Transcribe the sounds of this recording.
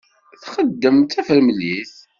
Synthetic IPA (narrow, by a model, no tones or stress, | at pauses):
θχəd̪ːəmt̪æfəɾmliθ